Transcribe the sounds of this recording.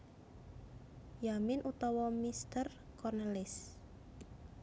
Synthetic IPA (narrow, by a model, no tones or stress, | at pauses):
jamɪnʔut̪ɔwɔmist̪ər | kɔrnɛlɪs